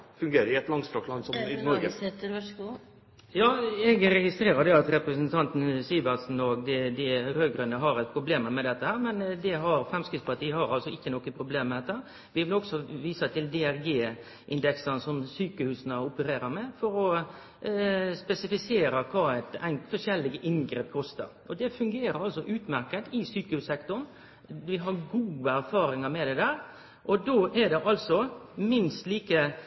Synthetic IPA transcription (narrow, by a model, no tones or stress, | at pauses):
fʉŋɡeːɾəɾɪɛt̪lɑŋst̪ɾɔklɑnsɔmɪnɔɾɡət̪ː | jɑːɛɡɾɛɡɪst̪ɾeːɾəd̪ɛɑt̪ɾɛpɾəsnt̪ʰɑnt̪n̩siːbəsn̩ɔɡd̪ɛd̪ɪɾøːɡɾʉnəɦɑɾɛt̪pʰɾʊbleːməmɛd̪ɛt̪ːəhæːɾmɛnd̪ɛɦɑɾfɾɛmskɾɪt̪spʰɑʈ̪iːəhɑɾɑlsɔɪçːənɔkːənpʰɾʊbleːmmːɛd̪ɛt̪ːæɾ | ʋɪʋɪlɔksɔʋiːsət̪ʰɪld̪ɛæɾɡeː | ʔɪnd̪ɛksənəsɔmsyːkəhʉːsnəʊpəɾeːɾəɾmɛfɔɾɔ | spɛsɪfɪseːɾəkʰɑːæt̪ɛnfɔʂɛlːɪɡəʔɪnɡɾeːp̚kʰɔst̪ə̰ɾʔɔd̪ɛfʉŋɡeːɾəɾɑlsɔʔʉːt̪mæɾkət̪ɪsyːkəhʉːsɛkt̪ʊɳ | ʋɪɦɑɾɡuːəæɾfɑːɾɪŋɑɾmɛd̪ɛd̪æːɾ | ʔɔd̪oːʔæɾd̪ɛʔɑlsɔmɪnst̪liːkə